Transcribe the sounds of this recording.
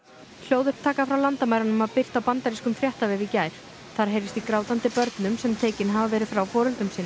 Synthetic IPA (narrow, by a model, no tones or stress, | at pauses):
l̥joːwðʏhpt̪ʰaːkafɾawlant̪amaːjɾanʏmaðpɪr̥t̪awpant̪aɾiskʏmfɾjaht̪avɛvɪcaːjɾ̥ | θaɾ̥ɦeːjɾvɪst̪ikɾaːwt̪ant̪ɪpœɾt̪nʏmsɛmt̪ʰeːjcɪnɦavavɛːɾɪðfɾawfɔːɾʏlt̪ʏmsiːn